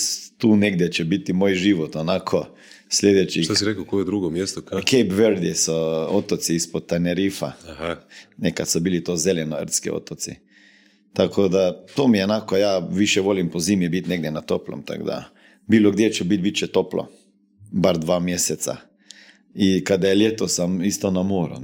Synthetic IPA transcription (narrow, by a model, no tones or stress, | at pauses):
t̪uːneɡd̪ʲjɛt͡ʃɛbit̪imoːjʒiʋot̪onakʰo | slʲjed̪ɛt͡ʃiasiɾɛkokojed̪ɾuɡomjest̪okejpʋeɾd̪isoot̪ot̪siispot̪̚t̪aneɾifa̰hanekat̪sobiːlit̪oːzelɛnoə̰ɾt̪skḭo̰t̪ot̪sḭ | t̪akʰod̪at̪oːmiɛnaːkɔjaːʋiʃjɛʋoːlimpɔziːmjɛbit̪neɡ̚d̪jɛnat̪oːplɔ̰mt̪a̰ɡd̪a̰ | biːlɔɡd̪jet͡ʃɛbit̪bit͡ʃɛt̪oːplɔ̰ | baɾd̪ʋaːmjeːsɛt̪sa̰ | ikad̪ajɛljeːt̪ɔsamist̪ɔnamoːɾṵ